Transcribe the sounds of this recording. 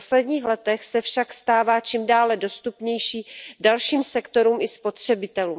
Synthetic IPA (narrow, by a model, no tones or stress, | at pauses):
oslɛdɲiːxlɛt̪ɛxsɛfʃakst̪aːvaːt͡ʃimdaːlɛdo̞st̪upɲɛjʃiːdalʃiːmsɛkt̪o̞ɾuːmɪspo̞t̪r̝̥ɛbɪt̪ɛluːm